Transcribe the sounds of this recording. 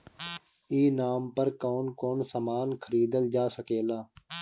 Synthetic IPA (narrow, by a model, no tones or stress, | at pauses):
iːnaːmpəɾkoːnkoːnsəmaːnkʰəɾiːd̪əld͡ʒaːsəkeːlaː